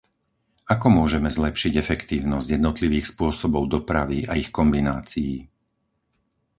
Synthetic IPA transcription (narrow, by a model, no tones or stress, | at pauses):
akɔmʊɔʒɛmɛzlɛpʃiɟɛfɛkt̪iːʊnɔzɟjɛd̪nɔt̪liʋiːxspʊɔsɔbɔʊd̪ɔpɾaʋiaixkɔmbinaːt͡sijiː